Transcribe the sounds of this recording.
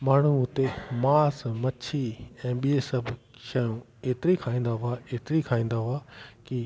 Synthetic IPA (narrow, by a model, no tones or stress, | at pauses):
maːɳ̤uʊt̪emaːsmɐt͡ɕʰiɛ̃ːɓiesɐbʱ | ʃɐjũ | eːt̪ɪɾikʰaːĩːn̆d̪aɦʊaeːt̪ɪɾikʰaːĩːn̆d̪aɦʊaki